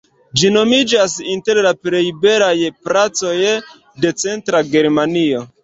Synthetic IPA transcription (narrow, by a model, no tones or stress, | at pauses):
d͡ʒino̞mid͡ʒasinte̞ɾlapɾe̞jibe̞ɾajpɾat͡so̞j | de̞t͡se̞ntɾaɡe̞ɾmanio̞